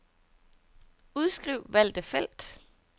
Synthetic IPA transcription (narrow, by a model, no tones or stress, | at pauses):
uðˠsɡ̥ʁiʊ̰ʋæl̰d̥əfel̰d̥